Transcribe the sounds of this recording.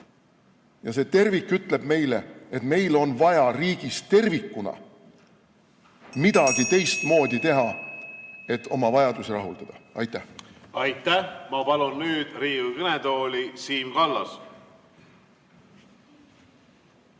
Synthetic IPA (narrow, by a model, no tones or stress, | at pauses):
jɑse̞ːt̪e̞rvikːˑyt̪ˑle̞b̥me̞jle̞̰et̪me̞jlo̞nvɑjɑriːɡ̥ist̪e̞rvikːˑunɑ̰ | mid̪̥ɑɡ̥it̪e̞jst̪mo̞ːd̪̥ʲit̪e̞ɦɑ | e̞t̪ːˑo̞mɑvɑjɑd̪̥usiɾɑɦuld̪ɑd̪̥ɑɑ̰jt̪ːˑæɑjt̪ːˑæhmɑpɑlunːyːd̪̥riːukɤned̪o̞ːlʲisiːmkɑlːɑs